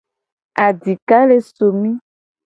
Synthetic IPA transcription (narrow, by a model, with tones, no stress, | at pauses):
a˨di˨ka˦le˨so˨mĩ˦